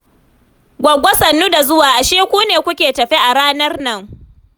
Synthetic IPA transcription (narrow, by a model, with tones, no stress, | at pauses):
ɡʷɐ˨ɡʷɔ˦sɐ˨nːu˦da˨zʊ˦waː˨ʔa˨ʃiː˦kʷuː˦neː˨kʷʊ˦kʲeː˨tɐ˨ɸi˦ʔa˨ɽaː˦nɐ˦rnɐ˦˨ŋ